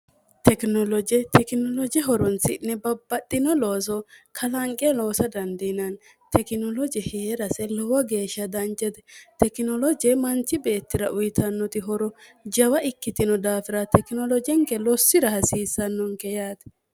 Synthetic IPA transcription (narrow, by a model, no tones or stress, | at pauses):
t̪ɛknɔlɔd͡ʒɛt̪ʰɛkɪnɔlɔd͡ʒɛɦɔɾɔnsɪnːɛbɐbːɐtʼːɪnɔloːs̬ɔkʰɐlɐŋkʼːɛlo̞ːsɐd̪ɐnd̪ɪnɐn | t̪ɛkɪnɔlɔd͡ʒɛheːɾɐsɛlɔwɐɡe̞ːʃːɐd̪ɐnt͡ʃːɛd̪ɛt̪ɛkɪnɔlɔd͡ʒɛmɐnt͡ʃːɪbe̞ːt̪ːɪɾɐʔʊjɪt̪ʰɐnːɔt̪ɪɦɔɾɔd͡ʒɐwɐʔɪkːɪt̪ɪnɔd̪aːfɪɾɐt̪ɛkɪnɔlɔd͡ʒɛŋkɛlɔsːɪɾɐhɐsiːsːɐnːɔŋkɛjaːt̪